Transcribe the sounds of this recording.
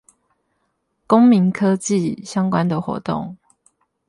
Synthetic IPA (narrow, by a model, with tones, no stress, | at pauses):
ko˦ŋmi˨˦ŋkʰɤ˦t͡ɕi˥˨ɕjɑ˦ŋkwa˦nd̪ə˨xwɔ̰˧˥t̪o̰˥˨ŋ